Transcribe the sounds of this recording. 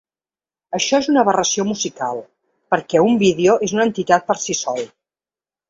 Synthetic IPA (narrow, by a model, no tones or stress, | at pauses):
əʃɔezunəβərəsiomuzikalˠ | pəɾkɛumbiðeoʔezunənt̪it̪at̪̚pəɾsisɔlˠ